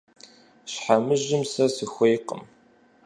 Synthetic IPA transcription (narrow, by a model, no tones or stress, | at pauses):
ɕħamɨʒɪmsɐsɨxʷejqə̰m